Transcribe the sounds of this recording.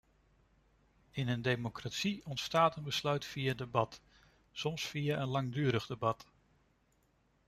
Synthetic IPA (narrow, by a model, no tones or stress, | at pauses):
ɪnəndejmokratsiɔntstaːtənbəslœɥtfijaədəbɑt | sɔmsfiaʔənlɑŋdyːɾəχdəbɑt